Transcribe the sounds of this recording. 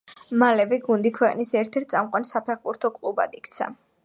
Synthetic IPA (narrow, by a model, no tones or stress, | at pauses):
malɛvɛɡund̪ikʰwɛqʼnisɛɾt̪ʰɛɾt̪̚sʼamqʼwansapʰɛχbuɾt̪ʰɔkʼlˠuba̰d̪ikʰt̪sʰa̰